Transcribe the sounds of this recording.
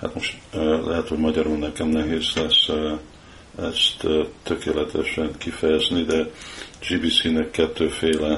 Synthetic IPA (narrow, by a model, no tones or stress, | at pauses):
ha̰t̪mo̞ʃt̪ːlʔɛɦɛt̪ho̞ɟmɒɟɒɾonːɛkɛmnɛɦeːzlɛs | ɛst̪t̪ø̞keːlɛt̪ɛʃɛnkifɛjɛznid̪ɛd͡ʒiːbiːsinɛkːɛt̪ːøːfeːlɛ